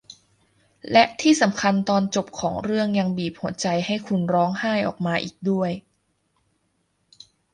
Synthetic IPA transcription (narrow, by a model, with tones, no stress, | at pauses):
lɛ˦˥ʔt̪ʰiː˥˩sa˩˦mkʰa˧nt̪ɔː˧nt͡ɕo˨˩p̚kʰɔː˩˦ŋɾɯ˥˩əŋja˧ŋbiː˨˩p̚hu˩˦ɐt͡ɕa˧jha˥˩jkʰu˧nɾɔː˦˥ŋhaː˥˩jʔɔ̰ː˨˩k̚maː˧ʔḭː˨˩k̚du˥˩əj